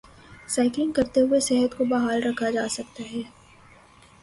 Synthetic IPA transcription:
saːɪklɪ̃ŋɡkɐɾt̪eɦʊesɛɦət̪kobaːɦaːlɾɐkʰad͡ʒaːsɐkt̪aɦɛː

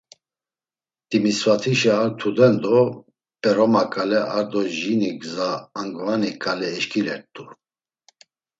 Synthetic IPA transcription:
t̪imisvat̪ʰiʃɛːɾt̪ʰud̪ɛnd̪ɔ | pʼɛɾɔmakʼalɛʔaɾd̪ɔʒiniɡzaːŋɡvanikʼalɛːʃkʰʼilɛɾt̪ʼu

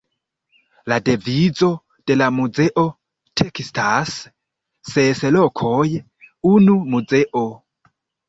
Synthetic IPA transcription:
ladevizo̞ | d̥e̞lamuzeʔo̞ | tʰekistasː | eselokʰoj | unumud͡ze̞ʔo

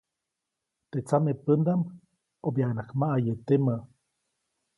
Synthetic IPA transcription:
t̪eʔt͡samepənd̪am | objanakmaʔajet̪ema

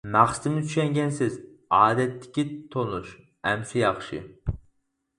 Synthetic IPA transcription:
mæχsɨ̥t̪ʰɪmɪt̪ʰy̥ʃɛŋɡʲɛnsɪzɑːd̪ɛt̪ʰːɪ̥kʲit̪ʰonuʃ | ɛmsijɑχʃɨ̰

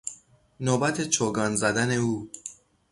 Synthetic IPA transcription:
noːbæt̪ʰe̞t͡ʃʰoːɡɒːnzæd̪æne̞uː

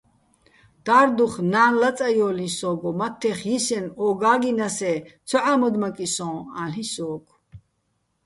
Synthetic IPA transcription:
d̪̥aːɾd̪uχnaːnlat͡sʼajɔːlĩsɔːɡɔmat̪ʰːɛχjisɛnɔːɡaːɡinasɛt͡sʰɔʕamɔd̪makʼisɔ̃ːaɬisɔːkʰʼ

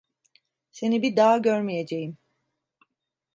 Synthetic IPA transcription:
se̞nibid̪aːɟøɾmije̞d͡ʒe̞jim

